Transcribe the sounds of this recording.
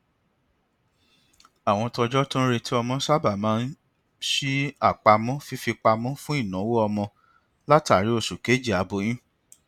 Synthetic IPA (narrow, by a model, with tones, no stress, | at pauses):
a˨w̃ɔ̃˧tɔ˧d͡ʒɔ˦tũ˦ɾe˧ti˦ɔ˧mɔ̃˧˦sa˦ba˨mãː˦n̩˦ | ʃi˦a˦˨k͡pa˧mɔ̃˦fi˦fi˧k͡pa˧mɔ̃˦fũ˦i˦˨nã˨˦wo˦ɔ˧mɔ̃˧ | la˦ta˨ɾi˦o˦˧su˨ke˨˦d͡ʒi˦˨a˨˦bo˧˦j̃ĩ˦